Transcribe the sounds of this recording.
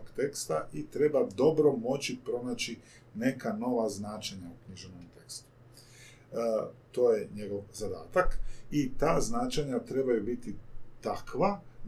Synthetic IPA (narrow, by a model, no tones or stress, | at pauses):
okt̪e̞kst̪aʔit̪ɾe̞bad̪o̞bɾo̞mo̞t͡ɕipɾo̞naːt͡ɕi | ne̞kano̞ʋaznaːt͡ʃaɲaukɲiʒenomt̪e̞kst̪u̥ | t̪o̞ːjeɲe̞ɡo̞ʋzad̪a̰ːt̪akit̪aːznat͡ʃaɲat̪ɾe̞bajubit̪it̪akʋa